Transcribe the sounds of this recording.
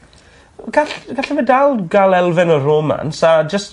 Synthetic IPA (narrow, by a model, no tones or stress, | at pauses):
ɡ̥aɬɡ̥aɬɛvɛdalˠɡalˠɛlˠvɪnəroːma̰nsad͡ʒəst